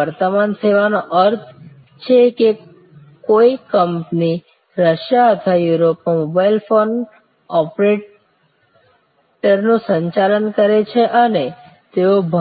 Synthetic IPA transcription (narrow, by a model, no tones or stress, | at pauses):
əɾt̪əmanseʋanoʔəɾt̪ʰ | t͡ʃʰeke | koikəmpni | ɾəʃjaət̪ʰajuɾopnomobailfon | ɔpɾeʈ | ʈəɾnũsəɲt͡ʃalənkəɾet͡ʃʰeʔəne | t̪eobʱ